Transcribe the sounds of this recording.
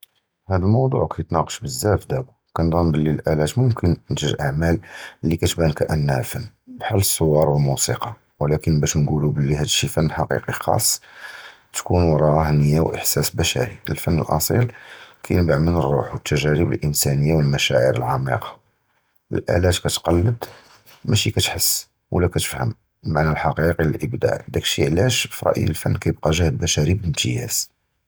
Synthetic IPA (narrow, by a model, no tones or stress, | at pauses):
hæd̪əlmɑwd̪ˤṵʕkæjət̪nɑqə̥ʃbəzːæfd̪æbu | kænd̪ˤɑnbəlːiəlʔælæt̪mʊmkənnʒəʒʔaʕmællːikæt̪bænkæʔənːæfənː | bħalːəsˤːowːɑɾˤwəlmusiqɑ | wlækənbæʃnɡulubəlːihæd̪ʃifənːħɑqḭqixɑ̰sˤː | t̪kunwɾˤɑhnəjːawʔə̰ħsæsbæʃæ̰ɾiʔəlfənːə̰lʔɑ̰sˤḭlkʰæ̰jnbaʕmənərˤːṵħwət̪ːæʒæɾəbə̰lʔənsænəjːawəlmæʃæʕiɾəlʕɑmḭqɑ̥ | ʔə̰lʔæ̰ʕlæʒkæt̪qɑlːəd̪ | mæʃikæt̪ħəsː | wəlːækæt̪ə̥fhə̰m | maʕnælħɑqiqiləlʔəbd̪a̰ʕd̪ækʃiʕlæʃfɾˤɑ̰ʔə̰əlfənːkæjəb̚qɑʒæhəd̪bæʃæɾibəlmt̪ʰəjæz